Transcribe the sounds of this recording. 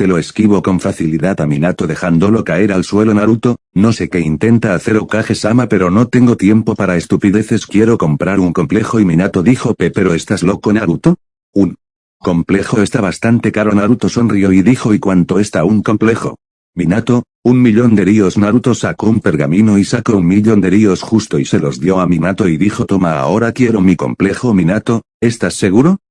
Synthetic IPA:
t̪e̞lo̞eskiβ̞o̞ko̞ɱfaθiliðaðaminat̪oðe̞xand̪o̞lo̞kae̞ɾalswe̞lo̞naɾut̪o̞ | no̞se̞ke̞int̪e̞nt̪aːθe̞ɾokaxe̞samape̞ɾo̞no̞t̪eŋɡo̞t̪je̞mpo̞paɾae̞st̪upiðeθe̞skje̞ɾo̞ko̞mpɾaɾuŋko̞mple̞xo̞iminat̪o̞ðixopepe̞ɾo̞est̪azlo̞koenaɾut̪o | uŋ | ko̞mple̞xo̞e̞st̪aβast̪ant̪e̞kaɾo̞naɾut̪oso̞nrio̞iðixo̞ikwant̪o̞est̪auŋko̞mple̞xo̞̰ | minat̪o | uŋmiʎo̞nd̪e̞ɾio̞znaɾut̪o̞sakoumpe̞ɾɣamĩnoisakouŋmiʎond̪eɾiosxust̪o̞ise̞lo̞zðjo̞aminat̪o̞iðixo̞t̪o̞maa̰o̞ɾakje̞ɾo̞miko̞̰mple̞xominat̪o̞ | e̞st̪asːe̞ɣ̞uɾo

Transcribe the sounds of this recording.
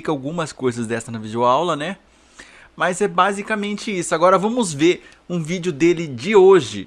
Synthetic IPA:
ikɐawɡũmɐskojzɐzd̪ɛst̪ɐnɐvid͡ʒoawlɐnɛ | mɐzɛbazikɐmẽnt͡ʃɪisʊaɡɔɾɐvɐ̃mʊzveɾ | ũvid͡ʒjʊd̪elɪd͡ʒɪoʒɪ̰

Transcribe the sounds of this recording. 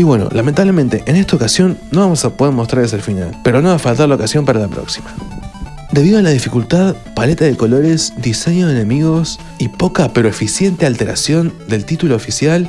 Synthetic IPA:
iβwe̞no̰lʔament̪aβle̞ment̪e̞ʔenest̪aokasjo̞nːo̞βamosapo̞ðeɾmost̪ɾaɾleselfina̰lpe̞ɾo̞no̞βafalt̪aɾlaokasjo̞mpaɾalapɾo̰ksima | d̪e̞β̞iðoalaðifikult̪að | palet̪aðeko̞lo̞ɾe̞zd̪ise̞ɲoðene̞miɣo̞s | ipo̞kape̞ɾo̞efisje̞nt̪ealt̪e̞ɾʔa̰sjo̞nd̪e̞lt̪it̪ulo̞ːfisjal

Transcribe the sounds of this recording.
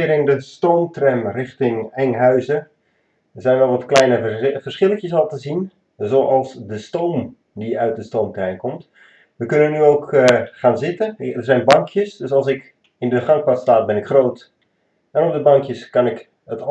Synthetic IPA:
ɪəɾɪndəstowmtrɛmrɪxtɪŋɛŋɦœɥzə | ərzɛjnʋɛlˠʋɔtklɛjnəvərsχɪləkjəsɑlˠtəzin | zoːʔɑlˠsdəstowm | diœɥt̚dəstoːmtrɛjmkɔmt | ʋəkønənːyokχaːnzɪtəərzɛjnbɑŋkʰjəsdøsɑlˠs̬ɪk | ɪndəχɑŋk̚patstaːt̚bɪnɪkχroːt | ɛnɔp̚dəbɑŋkjəskɑnɪk | ət

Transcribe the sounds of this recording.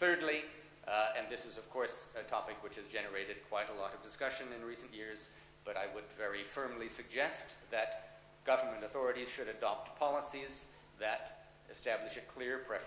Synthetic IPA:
θɜ˞dˡli | ɨ̃nðɪsɨzʌv̥kʰɔɹsɨtʰɑpɨkwɨt͡ʃhɨzd͡ʒɛnə˞eɪɾɨd̚kʰw̥aɪɾəlɔɾʌvdɨskʌʃɨ̃nɨ̃nɹisɨ̃n̩ʔjɪɹz | b̥ʌɾaɪwədvɛɹifɜ̃˞mlisɨɡ̚d͡ʒɛst̪̚ðɨt̚ | ɡ̥ʌvə˞mɨ̃ntɨθɔɹɨɾiz̥ʃɨɾɨdɑp̚tpʰɑlˠəsiz | ðɨɾ | ɨstæblɨʃɨkʰl̥ɪɹpʰɹ̥ɛf

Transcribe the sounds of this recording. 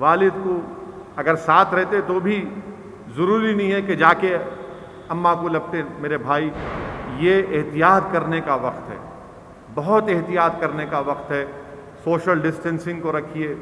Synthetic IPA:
ʋaːlɪd̪ko | ɐɡəɾsaːt̪ʰɾɛɦt̪et̪obʱi | zɐɾuːɾinɐɦĩɦɛked͡ʒaːke | ɐmːakolɐb̚t̪emeːɾebʱaːijeɪɦt̪ijaːt̪̚kɐɾnekaʋɐqt̪ɦɛ̰ː | bɐɦʊt̪eɦt̪ijaːt̪kɐɾnekaʋɐqt̪ɦɛ | soːʃəlɖɪsʈɛ̃nsɪ̃ŋɡkoɾɐkʰieː

